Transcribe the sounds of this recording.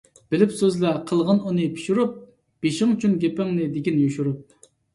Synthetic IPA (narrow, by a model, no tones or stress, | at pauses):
b̥ɪlɪpsøzlˠɑqʰəlˠʁənunɨpʰi̥ʃuɾup̚ | b̥eʃɪŋyt͡ʃʰynɡʲepɪŋnɨd̪eɡʲinjoʃuɾup̚